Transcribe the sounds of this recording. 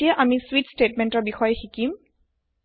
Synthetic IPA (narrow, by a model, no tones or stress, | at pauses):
ijaʔamiswitsʈeʈmenʈɔɹbixɔjxikim